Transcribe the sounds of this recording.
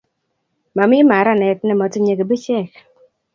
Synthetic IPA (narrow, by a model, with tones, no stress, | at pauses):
ma˨mɪ˦ma˨˦ɾa˦˨nɛ˨˦t̚nɛ˦˨mɔ˨ti˦ɲe˨ke˨bi˦t͡ʃɛ˦˨k